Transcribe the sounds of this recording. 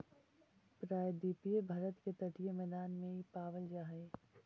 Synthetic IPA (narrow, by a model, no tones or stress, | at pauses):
pɾaːjd̪iːpijebʱaːɾət̪ket̪ɐʈijemɛːd̪aːnmẽɦipaːʋəld͡ʒaːɦe